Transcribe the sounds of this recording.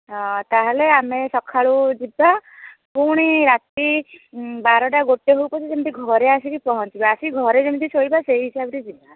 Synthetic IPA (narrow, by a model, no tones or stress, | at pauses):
ɦɔ̃t̪aɦeleamesɔkʰaɭud͡ʒibakuɽ̃iɾat̪i | baɾɔʈaɡoʈːeɦowpɔt͡ʃʰid͡ʒemit̪iɡʱɔɾeasikipɔɦɔnt͡ʃibaasiɡʱɔɾed͡ʒemit̪isoibaseiɦisabɔɾid͡ʒiba